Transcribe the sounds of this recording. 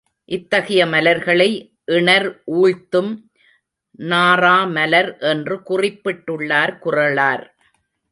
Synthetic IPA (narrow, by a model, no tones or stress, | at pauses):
ʔɪt̪ːɐɣɐjɐmɐlɐɾɣɐɭɐɪ | ʔɪɳɐɾʔuːɻt̪ːɯm | naːraːmɐlɐɾʔɛndrɯkʊrɪpːɪʈːɯɭːaːɾkʊrɐɭaːɾ